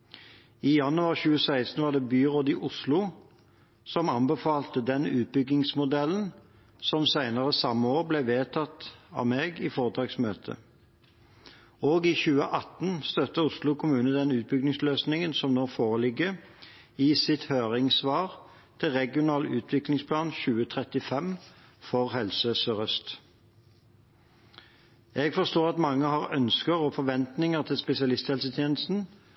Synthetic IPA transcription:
ijɑnʉɑːʁçʉːəsæɪst̪n̩ʋɑːd̪ɛːbyːʁoːd̪ɪʔʊslʊ | sɔmɑnbəfɑːlt̪əd̪ɛnʉːt̪̚bʏɡnɪŋsmʊd̪ɛlːn̩ | sɔmsæɪnəʁəsɑmːəoːʁblɛʋeːt̪ʰɑt̪ɑ̰ːmeːɡiːfoːʁəd̪ʁɑːɡsmøːt̪ʰə̰ | oːɡiçʉːəʔɑt̪nst̪œt̪ːəʊslʊkʰʊmʉːnəd̪ɛnʉːt̪̚bʏɡ̚nɪŋsløːsnɪŋənsɔmnoːfoːʁəlɪɡə | iːsɪt̪høːʁɪŋsʋɑːʁ | t̪ʰɪlʁɛɡɪʊnɑːlʉːt̪ʰʋɪklɪŋspʰlɑːnçʉːət̪ʰʁɛt̪ɪfɛmfɔʁhɛlsəsœʁœst̪ | ɛɡfɔst̪oːʁɑt̪mɑŋːəhɑːʁœnskəʁɔfɔʁʋɛnt̪nɪŋəʁt̪ʰɪlspɛsɪɑlɪst̪hɛlsət̪ʰjeːnəst̪n̩

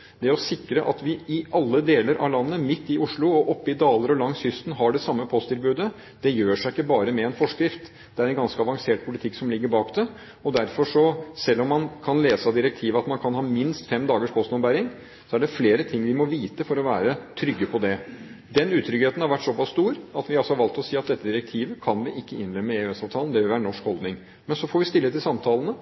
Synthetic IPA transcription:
d̪ɛæɾɔsɪkɾəʔɑt̪ʋɪɪʔɑlːəd̪eːləɾʔɑ̰ʋlɑnːəmɪt̪ːɪʔʊʂɭʊɔʔɔpːɪd̪ɑːləɾɔlɑŋshʏst̪nɦɑɖɛsɑmːəpʰɔst̪ɪlbʉːd̪ə | d̪̥ɛjøːʂæɪkːəbɑːɾəmɛɛnfɔʂkɾɪft̪ | d̪ɛæɾɛnɡɑnskəɑʋɑŋseːʈ̚pʰʊlɪt̪ʰɪkːsɔmlɪɡːəɾbɑːkd̪ɛ | ɔd̪æɾfɔʂɔsɛlːɔmːɑnkʰɑnleːsɑd̪ɪɾɛk̚t̪ʰiːʋəɑt̪mɑnkʰɑnhɑːmɪnst̪fɛmd̪ɑːɡəʂpʰɔst̪ɔmbæɾɪŋ | sɔæɖɛfleːɾət̪ʰɪŋːʋɪmɔʋiːt̪əfɔɾɔʋæːɾət̪ʰɾʏɡːəpʰɔd̪ɛ | d̪ɛnʉːt̪ʰɾʏɡheːt̪n̩hɑɾʋæʈːsɔpɑsst̪uːɾɑt̪ʋɪɑlsɔhɑɾʋɑlt̪ɔsiːɑt̪̚d̪ɛt̪ːəd̪ɪɾɛk̚t̪ʰiːʋəkʰɑnʋɪʔɪkːəɪnɾɛmːəeʉːɛsɑːʋt̪ʰɑːnd̪ɛʋɪlʋæːɾəɳɔʂkhɔld̪nɪŋ | mɛnsɔfɔːɾʋɪst̪ɪlːət̪ɪlsɑmt̪ʰɑːlənə

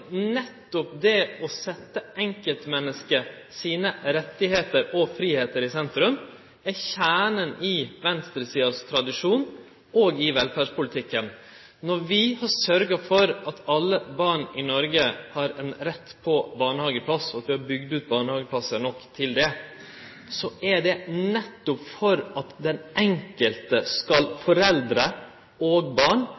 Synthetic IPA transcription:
nɛt̪ːʊpd̪ɛɔsɛt̪ːəɛŋkəlt̪mɛnːəskə | siːnəɾɛt̪ːɪheːt̪əɾɔfɾiːheːt̪əɾɪsɛnt̪ɾʉm | æçæːɳənɪʋɛnst̪ɾəsiːɑst̪ʰɾɑd̪ɪʂuːn | oːɡɪʋɛlfæːʂpʊlɪt̪ʰɪkːən | nɔɾʋɪhɑɾsœɾɡɑfɔɾɑt̪ɑlːəbɑːɳɪnɔɾɡəhɑɾɛnɾɛt̪ːpʰɔbɑːɳəhɑːɡəpʰlɑsɔɑt̪ʋɪhɑɾbʏɡd̪ʉːt̪̚bɑːɳəhɑːɡəplɑsənɔkːt̪ʰɪld̪ɛ | sɔʔæɖ̪ɛnɛt̪ːʊpfɔɾɑt̪d̪ɛnʔɛŋkəlt̪əskɑlfɔɾɛld̪ɾə | oːɡbɑːɳ

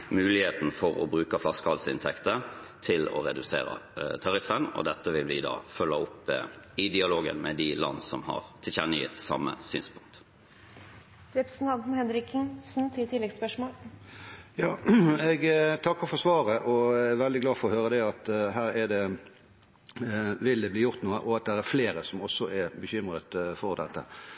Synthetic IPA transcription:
mʉːlɪheːt̪n̩fɔɾɔ̰bɾʉːkəflɑskəɑlsəɪnt̪ʰɛkt̪ət̪ʰɪlɔ̰ɾɛd̪ʉsḛːɾə̰t̪ʰɑɾɪfənɔ̰d̪ɛt̪ːəʋɪlʋɪd̪ɑ̰ːfœlːəʊpː | ɪd̪ɪɑloːɡə̰nmɛd̪ɪlɑ̰nːsɔmhɑ̰ɾt̪ʰɪlçɛnəɪ̰t̪sɑ̰mːəsy̰ːnspʊŋk̚t̪ | d̪ɪpsn̩ɑnd̪n̩hɛnɾɪkɪŋsn̩t̪ʰɪt̪ʰɪlːɛɡspœʂmoːl | jɑːɛɡt̪ʰɑkːɑʁfɔʁsʋɑːʁəʔɔɛɾʋɛld̪ɪɡlɑːfɔʁɔhøːɾəd̪ɛɑt̪ɦæːɾɛd̪ɛ | ʋɪld̪ɛbliːjʊʁt̪nuːəʔɔɑt̪̚d̪æɾæɾfleːɾəsɔmɔsːɔɛbəçʏmʁət̪fɔʁd̪ɛt̪ːə̰

